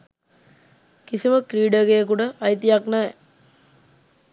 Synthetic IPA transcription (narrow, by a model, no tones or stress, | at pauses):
kisiməkɾiːɖəɡejəkuʈəʔajt̪ijaknɛ